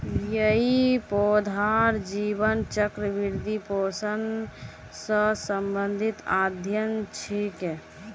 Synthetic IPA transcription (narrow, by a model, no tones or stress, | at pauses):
jəɦipod̪ʱaɾd͡ʒibənt͡ʃəkɾəbiɾd̪ʱiposən | sə̃səmbənd̪ʱit̪ad̪ʱjənt͡ʃʰike